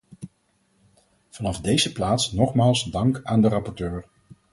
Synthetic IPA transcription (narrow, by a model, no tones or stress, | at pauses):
v̥ɑnɑvdejzəplaːtsnɔχmaːlˠsdɑŋkaːndərɑpɔɹtøːɹ